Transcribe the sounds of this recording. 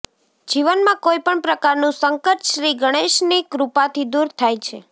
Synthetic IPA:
d͡ʒiʋənmãkojpəɳpɾəkaɾnũsəŋkəʈ̪ʃɾiɡəɽ̃eʃnikɾupat̪ʰid̪uɾt̪ʰajt͡ʃʰe

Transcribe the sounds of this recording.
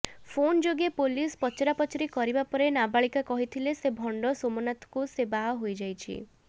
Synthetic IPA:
pʰond͡ʒoɡepolispɔt͡ʃeɾapɔt͡ʃɔɾikɔɾibapɔɾenabaɭikakɔɦit̪ʰilesebʱɔɳɖɔsomɔnat̪ɔ̥kusebaɦɔɦojd͡ʒajt͡ʃʰḭ

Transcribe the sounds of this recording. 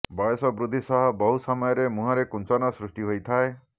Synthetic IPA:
bɔjɔsɔbɾud̪ʱːisɔɦɔbɔɦusɔmɔjɔɾemũɦɔɾekunt͡ʃɔnɔsɾusʈiɦojt̪ʰae

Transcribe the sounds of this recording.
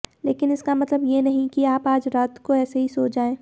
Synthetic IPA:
leːkɪnɪskamɐt̪ləbjenɐɦĩkiaːpaːd͡ʒɾaːt̪koɛːseɦisoːt͡ʃd͡ʒaːẽː

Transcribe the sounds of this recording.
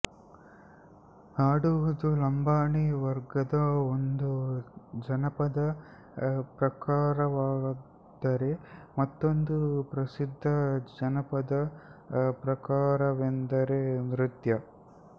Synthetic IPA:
aːɽuʋud̪ulɐmbʱaːɳiʋɐɾɡɐd̪ɐond̪ud͡ʒɐnɐpɐd̪ɐ | pɾɐkaːɾɐʋaːɡ | d̪ɐɾe̞mɐt̪ːond̪upɾɐsid̪ʱːɐd͡ʒɐnɐpɐd̪ɐ | pɾɐkaːɾɐʋend̪ɐɾenɾit̪jɐ

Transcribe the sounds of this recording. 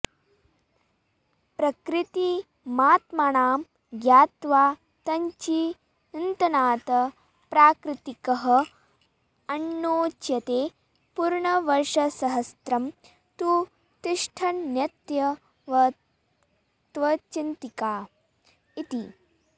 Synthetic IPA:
pɾɐkɾɪt̪i | maːt̪mɐɳaːm | ɡjaːt̪ʋaː | t̪ɐɲt͡ʃi | int̪ɐnaːt̪ɐ | pɾaːkɾɪt̪ikɐɦɐ̆ | ɐnːoːt͡ʃjɐt̪eː | puɾɳɐʋɐɾʂɐsɐɦɐst̪ɾɐm | t̪u | t̪ɪʂʈʰɐnːjɐt̪jɐ | ʋɐ | t̪ʋɐt͡ʃint̪ikaː | it̪ḭ

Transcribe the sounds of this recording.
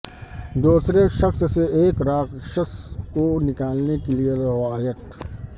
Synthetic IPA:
d̪uːsɾeʃɐxsseeːkɾaːkʃəskonɪkaːlnekelieɾɐʋaːjək̚t̪

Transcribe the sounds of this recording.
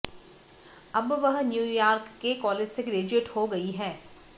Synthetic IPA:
ɐbʋɐɦnjuːjaːɾkːekɔːleːd͡ʒseɡɾeːd͡ʒeːʈhoɡɐiɦɛː

